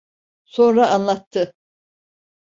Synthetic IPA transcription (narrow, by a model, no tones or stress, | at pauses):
so̞nɾaʔːnlˠat̪ʰːɯ